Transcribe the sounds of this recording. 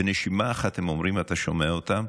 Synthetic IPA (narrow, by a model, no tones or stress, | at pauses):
eneʃimaːχathemo̞mʁimat̪aʃomeaot̪am